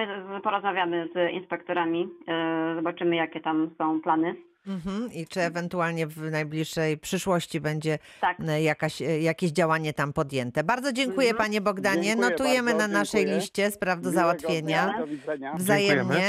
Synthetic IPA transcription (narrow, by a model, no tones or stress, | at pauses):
pɔɾɔzmavʲjamɘzḭnspɛkt̪ɔɾamʲizɔbat͡ʂɘmɘjakʲɛt̪amsɔ̃w̃planɘ | m̩ɦm̩it͡ʂɘɛvɛnt̪ualɲɛvnajblʲiʂːɛjpʂɘʂwɔɕt͡ɕibɛɲd͡ʑɛ | t̪akjakaɕjakʲeʑd͡ʑawaɲɛt̪ampɔd̪jɛnt̪ɛbaɾd̪zɔd͡ʑɛŋkujɛpaɲɛbɔɡd̪aɲɛnɔt̪ujɛmɘnanaʂɛjlʲiɕt͡ɕɛspɾavd̪ɔzawat̪ffʲjeɲa | vzajɛmɲɛ